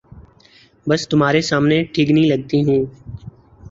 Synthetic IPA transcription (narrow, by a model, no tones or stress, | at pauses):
bɐst̪ʊm̤ɦaːɾesaːmneʈʰiːknĩlɐɡ̚t̪iɦũː